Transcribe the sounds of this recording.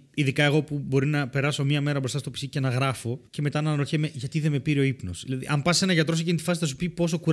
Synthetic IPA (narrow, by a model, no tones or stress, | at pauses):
iðikɐe̞ɣo̞pubo̞ɾinɐpe̞ɾɐso̞mɐme̞ɾɐbɾo̞st̪ɐst̪o̞pi̥sicenɐɣɾɐfo̞ce̞me̞t̪ɐnɐnɾoçemeʝɐt̪iðe̞me̞piɾio̞ipno̞̰sðilɐðḭʔɐmpɐsise̞nɐʝɐt̪ɾoocinit̪i̥fɐs̬iθɐs̬u̥pipo̞s̬okuɾ